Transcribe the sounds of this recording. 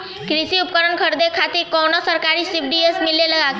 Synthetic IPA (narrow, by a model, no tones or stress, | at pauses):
kɾisiup̚kəɾəɳkʰəɾd̪ekʰat̪iːɾkownɔsəɾkaɾiːsip̚ɖiesmilːeləɡat̪